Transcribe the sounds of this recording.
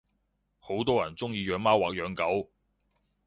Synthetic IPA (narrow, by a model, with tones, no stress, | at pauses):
ho˨˧˥wt̪ɔː˥jɐ˨˩nt͡sʊ˥ŋjiː˨˧jœː˨˧˥ŋmaː˥waː˨k̚jœː˨˥ŋkɐ˨˥w